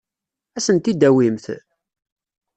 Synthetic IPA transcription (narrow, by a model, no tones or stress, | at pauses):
æsənt̪id̪æwimθ